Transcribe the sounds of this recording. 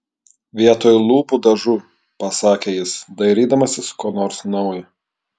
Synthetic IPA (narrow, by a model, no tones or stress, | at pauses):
ʋʲiɛt̪oːjʊlˠuːpud̪ɐʒu | pɐsɑːkʲeːjɪsd̪ɐɪɾʲiːd̪ɐmɐsʲɪskoːnoːɾsnɒʊjɪ